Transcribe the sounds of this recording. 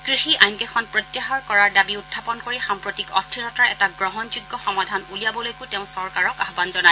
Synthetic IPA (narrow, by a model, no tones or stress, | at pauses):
ɡ̥ɹixiʔajnkɛxɔnpɹot̪jaɦɔɹkɔɹaɹdabiutʰːapɔnkoɹixampɹotikɔstʰiɹɔtaɹɛtaɡɹɔɦɔnzuɡːɔxɔmadʱanulijabɔlojkʊteʊ̃sɔɹkaɹɔkaɦbanzɔnaj